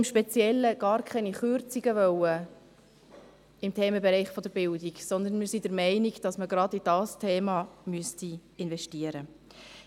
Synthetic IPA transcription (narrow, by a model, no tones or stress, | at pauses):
ɪmʃpɛt͡sjɛlːəɡ̥ɑːɾkʰɛniχʏɾt͡siɡ̥əʋœwə | ɪmtʰɛːməbɛɾɛɪχfɔd̥əɾbɪldiɡsɔnd̪ənmɪɾsidəɾmɛɪniɡd̥ɑsməɡɾɑdid̥ɑːstʰɛːmɑmyəstiɪnvɛʃtiəɾə